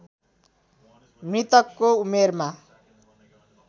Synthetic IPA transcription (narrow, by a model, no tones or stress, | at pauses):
mrit̪ʌkːoumerma